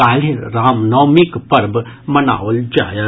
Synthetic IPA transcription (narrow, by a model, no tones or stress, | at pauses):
aːliɾaːmnɔːmikpɐɾbmɐna̰ːold͡ʒa̰ːjə